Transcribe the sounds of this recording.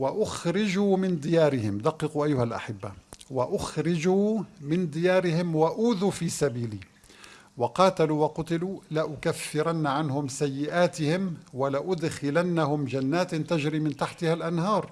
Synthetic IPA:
waʔʊxɾɪd͡ʒuːmɪnd̪ɪjaːɾɪhɪmd̪ɑqːɨquʔajːʊhalʔa̰ħɪbːa̰waʔʊxɾɪd͡ʒuːmɪnd̪ɪjaːɾɪhɪmwaʔuːðufiːsabiːliː | wɑqɑːt̪aluwɑqʊt̪ɪlulaʔʊkafːɪɾanːaʕanhʊmsajːɪʔaːt̪ɪhɪmwalaʔʊd̪xɪlanːahʊmd͡ʒanːaːt̪t̪aʒɾiːmɪnt̪aħt̪ɪhalʔanɦɑːɾˤ

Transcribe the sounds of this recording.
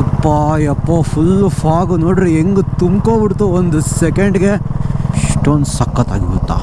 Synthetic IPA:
ɐpːajɐpːɐːpʰulːpʰaːɡunoːɽɾieŋɡut̪umkoːbiɽt̪uond̪usekeɳɖɡe | ʂʈond̪sɐkːɐt̪a̰ːɡibut̪ːa̰ː

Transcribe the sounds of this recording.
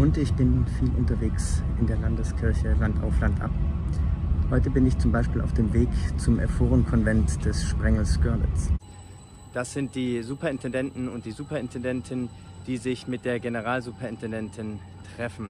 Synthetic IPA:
ʔʊntɪçb̥ɪnːuːfiːlʔʊ̰ntɐveːksʔɪndeːɐlandəskʰɪɐçəlanta̰ʊflantʔa̰p̚ | hɔʏtəbɪnɪçt͡sʊmbaɪʃpiːlaʊfd̥eːmveːkt͡sʊmʔɛ̰ɐfoːʁənkʰɔnvɛntd̥ɛsʃpʁ̥ɛŋl̩sɡ̥œɐnɪ̰t͡s | d̥asz̥ɪnt̚d̥iːzuːpɐɪntʰɛndɛntn̩ʊntd̥iːzuːpɐɪntʰɛndɛntʰɪn | d̥iːzɪçmɪt̚d̥eːɐɡenəʁ̞aːlzuːpʰɐɪntʰɛndɛntʰɪn | tʁ̥ɛfn̩

